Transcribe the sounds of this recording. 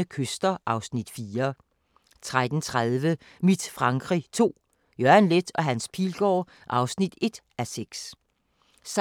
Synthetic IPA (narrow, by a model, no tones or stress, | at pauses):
əkʰøsd̥ɐʔɑ̈ʊsnid̥fiːɐ | t͡sʰʁad̥n̩t͡sʰʁaðˠʋə | mid̥fʁɑ̈ŋɡ̥ʁḭt͡sʰo̝̰ː | jøɐnled̥ɒ̽ɦænspʰiːlɡ̥ɒ̰ː | ʔɑ̈ʊsnid̥e̝d̥ | æseɡ̥s | s